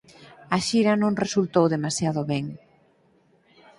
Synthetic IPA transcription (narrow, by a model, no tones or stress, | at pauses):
aʃiɾanõŋresult̪owðemasjað̞oβɛŋ